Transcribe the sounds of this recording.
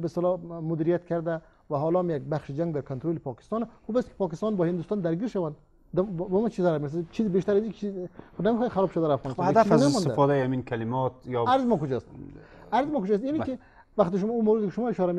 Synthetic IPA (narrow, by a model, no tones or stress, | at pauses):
best̪lɔmʊd̪iɾijat̪kʰaɾd̪a | væɦɔlɔamjaɡ̚baχʃɪd͡ʒaŋɡd̪aɾkʰont̪ɾolipʰɔkɪ̥st̪ɑnaxubast̪kʰi̥pʰɒkɪst̪ɑnbɔhind̪ust̪ɔnd̪æɾɡiɾʃawand̪ | d̪bɔmɔt͡ʃʰizaɾameɾs̬t͡ʃʰizibeʃt̪aɾazikit͡ʃʰiznamixɔj̪χaɾɔbʃad̪aɾafɣɔnsad̪afznasmɔnt̪d̪afɔd̪aiaminkʰalɪmɔt̪jɔaɾzɪmɔkʊd͡ʒɔst̪ | aɾzɪmɔkʊd͡ʒɔːst̪jiniki | vaχt̪iʃʊmumawɾɪd̪ɪkiʃʊmɔiʃɔɾame